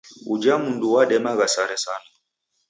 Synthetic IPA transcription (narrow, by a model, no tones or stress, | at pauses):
ud͡ʒamunduwaɗɛmaɣasaɾɛsana